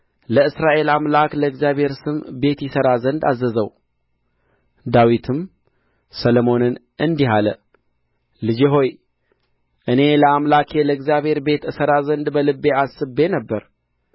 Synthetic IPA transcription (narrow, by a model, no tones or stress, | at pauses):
ləɨsɾaʔe̞lamlakləɨɡzjaβhe̞ɾsɨmbe̞t̪jɪsəɾazənd̪azːəzəw | d̪awit̪ʰɨm | sələmo̞nɨn | ʔɨnd̪iɦalə | lɨd͡ʒeɦo̞j | ʔɨne̞ləamlakʰjɛləɨɡzjaβhe̞ɾbe̞t̪ɨsəɾazənd̪bəlɨbːeasɨbːe̞nəbːəɾ